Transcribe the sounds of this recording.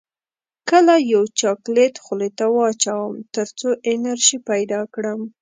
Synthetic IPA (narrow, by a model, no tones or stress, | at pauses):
kəlajawt͡ʃɑklet̪xʊlet̪awɑːt͡ʃawəmt̪əɾt͡soʔenaɾʒipajd̪ɑkɽəm